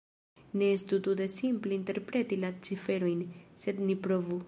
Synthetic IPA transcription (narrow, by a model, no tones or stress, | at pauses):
ne̞est̪ut̪ud̪e̞simpleinte̞ɾpɾe̞tilat͡sife̞ɾo̞jnse̞d̪nipɾo̞vu